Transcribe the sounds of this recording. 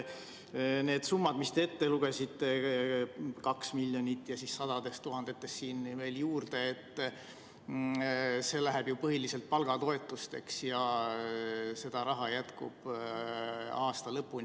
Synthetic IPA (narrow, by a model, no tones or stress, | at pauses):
ne̞ːd̪̥sumːɑd̪mist̪e̞et̪ːeluɡ̥e̞sit̪ːˑe̞ | kɑksmilʲːjonʲit̪ːˑjɑsissɑd̪̥ɑd̪̥e̞st̪uɦɑnd̪̥e̞t̪ːˑe̞sːiːnve̞ːljuːrd̪̥e̞et̪ː | se̞ːlæɦɛb̥jupɤɦiliselt̪̚pɑlɡ̥ɑt̪o̞e̞t̪ːˑust̪e̞ksjɑ | se̞d̪̥ɑɾɑɦɑjæt̪kṵb̥ | ɑːst̪ɑlɤpːˑun